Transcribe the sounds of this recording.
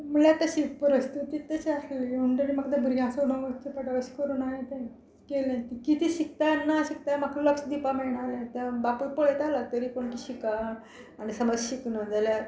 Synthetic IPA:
m̤uɭjat̪əɕipɾəst̪ut̪it̪ːəɕiasliuɳɖnimakt̪d̪abʱuɾjãsəuɽə̃ʋət̪əpəʈaʋəɕi̥kəɾuːnaɦit̪ã | kelãt̪ikit̪iːɕik̚t̪anːaɕik̚t̪amakləksd̪ipamɛɭɳalãt̪abapuɾpoɭet̪alat̪əɾiːpoɳkiɕikaː | nisəməd͡zɕiknəd͡zalja

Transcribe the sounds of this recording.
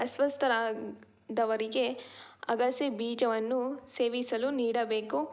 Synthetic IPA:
ɐsʋɐst̪ʰɐɾaː | d̪ɐʋɐɾiɡe̞ | ɐɡɐsibiːd͡ʒɐʋɐnːuse̞ːʋisɐluniːɽɐbe̞ːku

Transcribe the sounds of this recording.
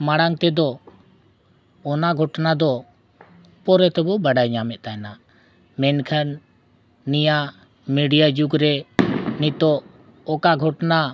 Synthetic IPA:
maɽaŋt̪ɛd̪ɔ | ɔnaɡʱɔʈnad̪ɔ | pɔɾɛt̪ɛbɔbaɖajɲamɛt̪̚ˀt̪ajɛna | mɛnkʰanː | ija | miɖijad͡ʒuɡɾɛnit̪ɔʔ | ɔkaɡʱɔʈna

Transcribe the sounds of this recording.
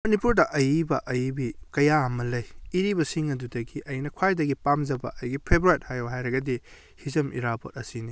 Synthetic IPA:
mɐnipuɾdɐʔɐjbɐʔɐjbikɐjaɐmɐlɐjːɾibɐsiŋɐdudɐɡiʔɐjnɐkʰwajdɐɡipamzɐbɐ̰ʔɐjɡipʰebɾuet̚hajoɦajɾɐɡɐdi | hizɐmʔḭɾapo̰t̚ɐsini

